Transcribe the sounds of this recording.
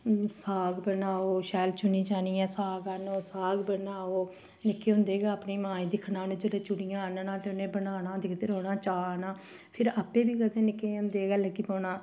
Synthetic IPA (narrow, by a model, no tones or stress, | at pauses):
saːɡbənaːoːʃaːlt͡ʃʊniːd͡ʒaːniːɛːsaːɡanoːsaːɡbənaːoː | nɪkːeːɦʊ̃nd̪eːɡaːəpniːmãːĩːd̪ɪkʰnãːnũːd͡ʒəleːt͡ʃʊɽijãːnnãːt̪eːʊnẽːbənaːnaːd̪ɪkʰd̪eːɾɦoːnaːt͡ʃaːnãː | pʰɪɾaːpẽːbiːkət̪ẽːnɪkːeːɦʊ̃nd̪eːɡɛːləɡiːpɔːnaː